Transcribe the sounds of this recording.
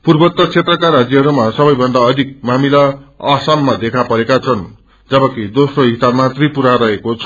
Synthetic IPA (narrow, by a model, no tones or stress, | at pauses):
purbʌt̪ːʌt͡sʰet̪rʌkaɾad͡zjʌɦʌɾumasʌbʌjbʱʌnd̪aʌd̪ʱik̚mamilaasamːad̪ekʰapʌɾekat͡sʰʌn | d͡zʌbʌkid̪osroɦisabmat̪ripuɾaɾʌɦekot͡sʰʌ